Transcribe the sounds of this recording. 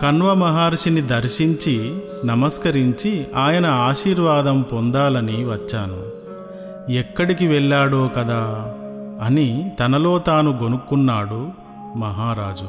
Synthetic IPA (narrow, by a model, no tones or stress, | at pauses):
kɐnʋɐmɐɦaːɾʂinid̪ɐɾʃiɲt͡ʃi | nɐmɐskɐɾiɲt͡ʃiaːjɐnɐaːʃiːɾʋaːd̪ɐmpond̪aːlɐniʋɐt͡ʃːaːnu | ɛkːɐɽik̬iʋɛɭːaːɽoːkɐd̪aː | ɐnit̪ɐnɐloːt̪aːnuɡo̞nukːunːaːɽu | mɐɦaːɾaːd͡ʒu